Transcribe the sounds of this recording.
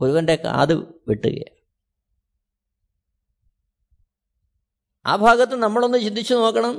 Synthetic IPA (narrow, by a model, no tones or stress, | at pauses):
oɾuʋɐnɖeka̰ːðɨʋiʈːṵɣɐ̰ja | a̰ːbʱaːɡɐt̪ːenɐmːɐɭonːɨt͡ɕind̪it͡ɕːuno̞ːkːɐɳɐm